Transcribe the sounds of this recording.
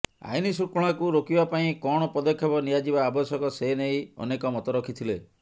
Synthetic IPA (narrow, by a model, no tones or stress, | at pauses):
a̰jnisukɔɭ̃akuɾokibapaĩkɔɽ̃ɔpɔd̪ɔkʰjɔbɔnijad͡ʒibaːbɔsɔkɔsenejɔ̰nekɔmɔt̪ɔɾɔkʰit̪ʰile